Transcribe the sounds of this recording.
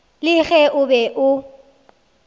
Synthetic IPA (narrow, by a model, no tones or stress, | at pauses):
lɪɣɛʔʊbɛʔʊ